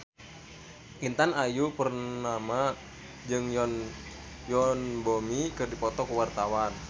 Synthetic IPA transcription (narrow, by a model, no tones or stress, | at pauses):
ʔint̪anajupərnama | d͡ʒɨŋjn | jɔnbomikɨrdipɔt̪ɔkuwart̪awan